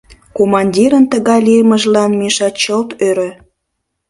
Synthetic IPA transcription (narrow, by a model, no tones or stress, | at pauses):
komɑnʲdʲiɾənt̪əɣɑjliəməʒlɑnmeʃɑt̪t͡ɕəlt̪øɾø